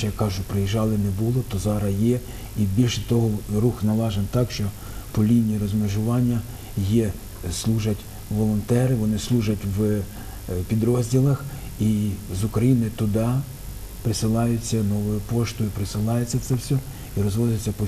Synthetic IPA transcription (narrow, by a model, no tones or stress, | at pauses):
ɛjɐkːɑʒʊpɾɪjiʒɑlˠɪnɛbulˠɔt̪ɔzɑɾɐjɛ | ibʲilʲʃɛt̪ɔɦɔɾuxnɐlˠɑʒent̪ɑkʃt͡ʃɔ | pɔlʲinʲiɾɔzmeʒʊʋɑnʲːɐ | jɛ | slˠuʒɐtʲ | ʋɔlˠɔnt̪ɛɾɪʋɔnɪslˠuʒɐtʲʋ | pʲid̪ɾɔzʲdʲilˠɐx | izʊkɾɐjinɔjʊt̪ʊd̪ɑ | pɾɪsɪlˠɑjʊt͡sʲːɐnɔʋʊjʊpɔʃt̪ʊipɾɪsɪlˠɑjet͡sʲːɐw̪sɛwsʲɔ | iɾɔzʋɔzʲɐt͡sʲːɐpɔ